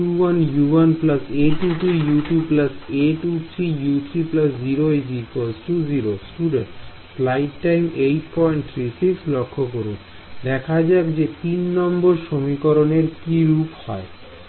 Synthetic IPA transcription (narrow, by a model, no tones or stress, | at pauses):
uwanjuwanplaseʈuʈujuʈjubplaseʈuʈt̪ʰijut̪ʰɾiplasd͡ʑiɾoed͡ʑiɾkosʈud͡ʑiɾosʈuɖeɳʈ | flajʈʈajmejʈpɔjɳʈ̚t̪ʰɾisikslokʰːokoɾṵn | d̪ɛkʰad͡ʑabd͡ʑet̪inːɔmboɾʃomikoɾoneɾkiɾuphɔe